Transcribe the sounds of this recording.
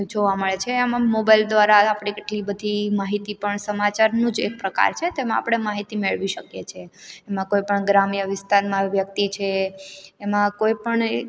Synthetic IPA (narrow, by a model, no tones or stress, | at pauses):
d͡ʒoʋaməɭet͡ʃʰeamãmobajld̪ʋaɾaːpɽ̃ikɪʈlibəd̪ʱimaɦit̪ipəɳsəmat͡ʃaɾnũd͡ʒḛk̚pɾəka̰ɾt͡ʃʰet̪emãa̰pɽ̃emaɦit̪imeɭʋiʃəkjet͡ʃʰeːmãkojpəɳɡɾamijəʋɪst̪aɾmãʋjək̚t̪it͡ʃʰeː | mãkoipəɳ